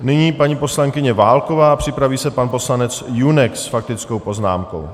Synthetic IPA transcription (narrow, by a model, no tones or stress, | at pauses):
nɪɲiːpaɲipo̞slaŋkɪɲɛvaːlko̞vaːapr̝̥ɪpɾaviːsɛpanpo̞slanɛt͡sjunɛksfak̚t̪ɪt͡sko̞wpo̞zna̰ːmko̞̰w